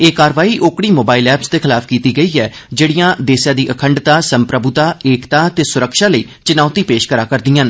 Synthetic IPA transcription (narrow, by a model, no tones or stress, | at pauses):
eːkaːɾʋaːiːʔoːkɽ̃iːmoːbaːɪlɛːpsd̪eːkʰɪlaːpʰkiːt̪iːɡəiːɛː | d͡ʒeːɽijãːd̪eːsjãːd̪iːʔəkʰəɳɖt̪aːsəmpɾəbʊt̪aːeːkt̪aːt̪eːsʊɾəkʃaːləiːt͡ʃɪnaːt̪iːpeːʃkəɾaːkəɾd̪iːãːn